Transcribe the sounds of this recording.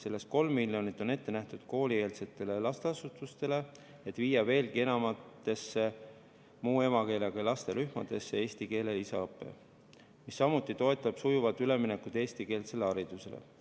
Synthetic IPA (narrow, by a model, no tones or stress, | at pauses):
se̞lːe̞st̪̚ko̞lmːiljo̞nit̪ːˑo̞ne̞t̪ːe̞næht̪ud̪̥ko̞ːlie̞ːlse̞t̪ːˑe̞le̞lɑst̪eɑsut̪ːˑust̪e̞le̞ | et̪ːˑviːjɑve̞ːlɡie̞nɑmɑt̪ːˑe̞sːe | muːe̞mɑke̞ːleɡ̥ɑjlɑst̪e̞ɾyhmɑd̪̥e̞sːe̞e̞ːsʲt̪ike̞ːle̞isɑɤpːˑe̞̰ | misːɑmut̪ːˑit̪o̞e̞t̪ːˑɑb̥sujuvɑt̪ːyle̞mine̞kud̪̥e̞ːst̪ike̞ːlse̞leɑɾid̪̥use̞lḛ